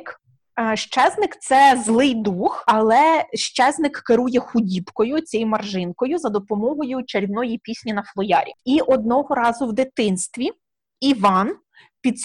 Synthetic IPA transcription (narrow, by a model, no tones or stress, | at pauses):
k | ʃt͡ʃɛznɪkt̪sɛzlˠɪjd̪uxɐlˠɛʃt͡ʃɛznɪkːeɾujɛxʊdʲibkɔjʊt͡sʲɛjmɐrʒɪnkɔjʊzɐd̪ɔpɔmɔɦɔjʊt͡ʃeɾʲiwnɔjipʲisʲnʲinɐflˠɔjɑɾʲḭiʔɔd̪̚nɔɦɔɾɑzʊwd̪ɪt̪ɪnst̪ʋʲi | iʋɑn | pʲid̪s